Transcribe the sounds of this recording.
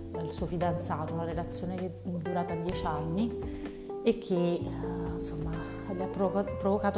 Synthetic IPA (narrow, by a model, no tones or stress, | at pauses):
ilsuːofid̪ant̪saːt̪ounaɾelat̪sːjoːneked̪uɾaːt̪ad̪jɛt͡ʃanːi | ekʰːe | nsomːa | lːapːɾokapːɾovokaːt̪